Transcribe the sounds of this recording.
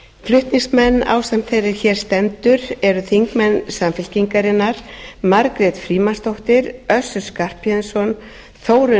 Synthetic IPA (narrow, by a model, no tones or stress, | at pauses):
flʏht̪niŋsmɛnːa̰ːwsam̥t̪θejrɪɾçɛːɾ̥st̪ɛnt̪ʏɾɛɾʏθiŋkmɛnːsamfɪl̥ciŋkaɾɪnːaɾ̥maɾkɾɛt̪fɾiːmanst̪owht̪ɪɾœsʏ̥skar̥pjɛðsɔn | θoːwɾʏ